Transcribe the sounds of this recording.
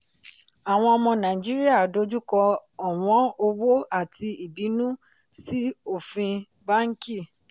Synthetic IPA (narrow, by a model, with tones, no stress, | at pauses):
a˨w̃ɔ̃˧ɔ˧mɔ̃˧nã˨i˨d͡ʒi˦ɾi˦a˦˨do˧˦d͡ʒu˦kɔ˧ɔ˨w̃ɔ̃˨˦o˧wo˦a˦˨tʰi˧i˨bi˨˦nũ˦ | si˦o˦˨fĩ˧ | ba˦ŋ̩˦ki˦˨